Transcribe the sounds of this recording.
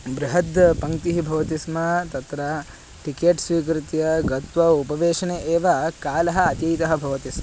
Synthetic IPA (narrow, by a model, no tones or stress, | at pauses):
bɾɪɦɐd̪pɐŋt̪iɦibʱɐʋɐt̪ismɐt̪ɐt̪ɾɐ | ʈikeːʈsʋiːk̬ɾɪt̪jɐɡɐt̪ʋɐupɐʋeːʂɐneʔeːʋɐkaːlɐɦɐɐt̪jɐjt̪ɐɦɐbʱɐʋɐt̪ismɐ